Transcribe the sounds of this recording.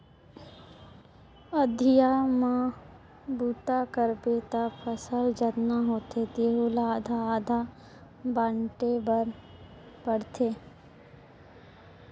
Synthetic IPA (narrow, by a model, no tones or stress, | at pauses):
əd̪ʱɪjamã | buːt̪akəɾbet̪apʰəsəld͡ʒət̪naɦoːt̪et̪eːɦulaaːd̪ʱaːd̪ʱa | baːɳʈebəɾ | bəɽt̪ʰeː